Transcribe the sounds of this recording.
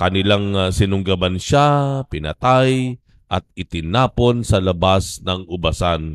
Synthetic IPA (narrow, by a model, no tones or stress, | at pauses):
kɐnɪlaŋsɪnʊŋɡabanʃapɪnɐ̰t̪aj | ʔɐt̪̚ɪt̪ɪnaːponsɐlɐbasnɐŋʊbasan